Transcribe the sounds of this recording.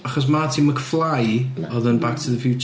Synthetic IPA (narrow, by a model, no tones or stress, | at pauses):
aχɔs̬matʰiməɡəflˠajɔðənbaktʰəðəfjut͡ʃ